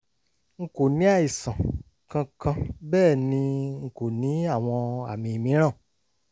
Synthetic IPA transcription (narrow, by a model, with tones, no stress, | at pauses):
ŋ̩˨ko˨nĩ˨˦a˦˨i˨sã˨ | kã˧kã˧bɛː˦˨nĩ˧ŋ̩˨ko˨nĩ˨˦a˦˨w̃ɔ̃˧a̰˨mĩ˧˨mĩ˨˦ɾ̃ã˦˨